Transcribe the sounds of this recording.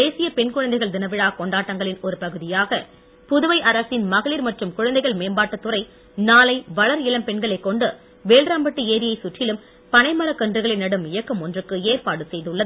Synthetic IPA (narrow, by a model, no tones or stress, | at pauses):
eːsɪjɐpɛɳkʊɻɐnd̪ɐɪɣɐɭd̪ɪnɐʋɪɻaːkɔɳɖaːʈːɐŋɡɐɭɪnɔɾɯpɐɣɯðɪjaːɣɐ | pʊðɯʋɐɪʔɐɾɐsɪnmɐɣɐɭiːɾmɐʈrɯmkʊɻɐnd̪ɐɪɣɐɭmeːmbaːʈːɐt̪ːɯrɐɪ | naːlɐɪʋɐɭɐɾɪlɐmpɛɳɡɐɭɐɪkːɔɳɖɯ | ʋeːlɾaːmbɐʈːɯeːɾɪjɐɪsʊʈːɪlɯm | pɐnɐɪmɐɾɐkːɐndrɯɣɐɭɪnɐɽɯmɪjɐkːɯmɔndrɯkːɯeːrpaːɽɯsɛjðɯɭːɐð